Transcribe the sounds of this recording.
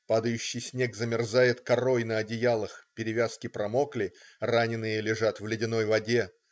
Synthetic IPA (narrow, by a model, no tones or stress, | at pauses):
pad̪əjʉɕːɪjsʲnʲe̞ɡzəmʲɪrzajɪt̪kɐɾo̞jnəɐdʲɪjalˠəxpʲɪɾʲɪvʲaskʲɪpɾɐmo̞klʲɪranʲɪnːɨjəlʲɪʐat̪vlʲɪdʲɪno̞jvɐdʲe̞